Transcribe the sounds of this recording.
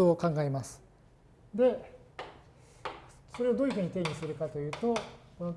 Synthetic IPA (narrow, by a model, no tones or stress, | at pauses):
oːkãŋɡae̞masɨ̥ | d̪e̞ | soɾe̞od̪oːiɯ̟ɦɯ̟ɲ̟it̪e̞ːɲ̟isɨɾɯ̟kat̪o̞jɯ̟ːt̪o̞o